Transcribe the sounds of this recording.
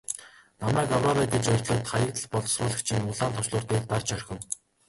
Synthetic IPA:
namæːkɔwrɔɾaːk̪et͡ɕœrʲt̪ɮʊːt̪χajə̆k̚t̪ə̆ɮpɔɮɞ̆srʊːɮə̆kt͡ɕʰĭŋʊɮaːnt̪ʰʊ̥ʃɮʊːrt̪eːkt̪art͡ɕœrʲxʲɘ̆n

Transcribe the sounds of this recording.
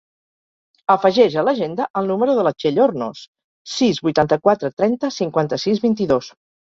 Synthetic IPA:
əfəʒɛʒələʒend̪əʔəlˠnuməɾuðələt͡ʃeʎorno̰s | sizβujt̪ant̪əkwat̪ɾət̪ɾɛnt̪əsiŋkwant̪əsizβint̪iðos

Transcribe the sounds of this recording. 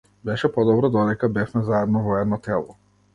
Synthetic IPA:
bɛʃɛpɔd̪ɔbɾɔd̪ɔd̪ɛkabɛfmɛzaɛd̪nɔvɔɛd̪nɔt̪ɛlˠɔ

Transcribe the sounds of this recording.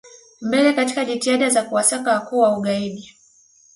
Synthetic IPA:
mbɛlɛkati̥kaʄitiaɗazakuwasakawakuwauɠaiɗi

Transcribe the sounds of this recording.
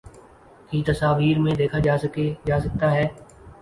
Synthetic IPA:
kiːt̪əsaːʋiːɾmẽːd̪eːkʰaːd͡ʒaːsked͡ʒaːsək̚t̪aɦɛː

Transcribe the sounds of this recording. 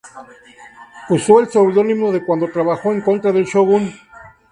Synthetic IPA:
uso̞elsowðo̞nimoðe̞kwand̪o̞t̪ɾaβaxo̞eŋko̞nt̪ɾaðe̞lʃoβun

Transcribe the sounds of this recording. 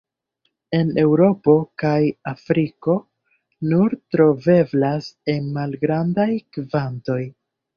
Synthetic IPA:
e̞ne̞wɾo̞po̞kajafɾiko̞ | nuɾtɾo̞ve̞blase̞nmalɡɾandajkvanto̞j

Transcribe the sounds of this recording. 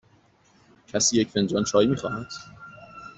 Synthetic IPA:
cʰæsiːjecʰfend͡ʒɒːnt͡ʃʰɒːjimiːxɒ̰ːhæd̪̥

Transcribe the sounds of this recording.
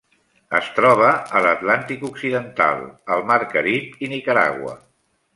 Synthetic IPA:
əst̪ɾɔβ̞əələt̪lant̪ikuksiðənt̪a̰lˠəlˠmaɾkəɾipinikəɾa̰ɣwə̰

